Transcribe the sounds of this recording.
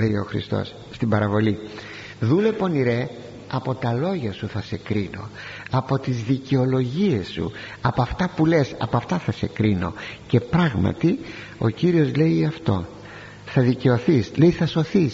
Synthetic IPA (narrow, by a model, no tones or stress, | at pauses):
lejo̞xɾḭst̪o̞̰s | st̪ibɐɾɐvo̞li | ðule̞po̞niɾe̞ | ɐpo̞t̪ɐlo̞ʝɐsuθɐse̞kɾino̞ɐpo̞t̪izðice̞o̞lo̞ʝie̞sːṵ | ɐpoɐft̪ɐpule̞sɐ̰poɐft̪ɐθɐse̞kɾino̞̰ce̞pɾɐɣmɐ̰t̪i | o̞ciɾio̞zle̞iɐft̪o̞ | θɐðice̞o̞θisleiθɐso̞θis